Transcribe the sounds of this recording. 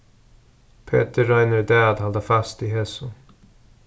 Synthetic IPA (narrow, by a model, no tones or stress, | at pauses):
pʰḛːt̪əːaɪnəɾd̪æːd̪hald̪əfast̪iɦeːsʊ